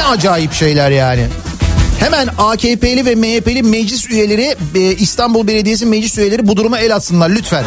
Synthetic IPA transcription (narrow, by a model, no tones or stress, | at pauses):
ɛad͡ʒaːjipʃe̞jlʲæɾjaːnɪ̰hemænaːcʰepe̞lʲivɛmeepe̞lʲimɛd͡ʒlʲisyje̞lʲe̞ɾiist̪ʰambulˠbe̞lʲe̞d̪ijes̬imed͡ʒlʲisyje̞lʲe̞ɾibud̪uɾumaɛlʲat̪sɯnlˠaɾlʲyt̪fæn